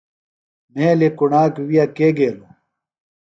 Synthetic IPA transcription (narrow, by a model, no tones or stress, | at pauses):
mẽːlekuɳaːkwijakeːɡeːlo